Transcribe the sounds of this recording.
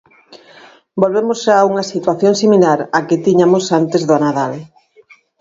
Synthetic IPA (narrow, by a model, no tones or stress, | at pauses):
bolβemʊsʃaːuŋɐsit̪waθjoŋsimilaɾakɪt̪iɲamosant̪ezðʊanaðal